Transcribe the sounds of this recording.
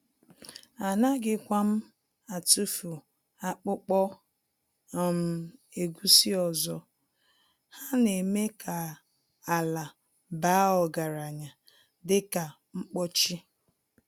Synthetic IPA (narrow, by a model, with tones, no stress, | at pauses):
a˨na˦ɡɪ˦kʷa˦m̩˦ | a˨tu˦fu˨ | a˨k͡pʊ˦k͡pɔ˦˨ | m̩˨e˨ɡu˦si˦ɔ˨zɔ˨ | ha˦ne˨me˦kʰa˨ | a˨la˨ | ba˨˦ɔ˨ɡa˨ɾa˨ɲa˨ | dɪ˦ka˨ | ŋ͡m̩˦k͡pɔ˦t͡ʃi˦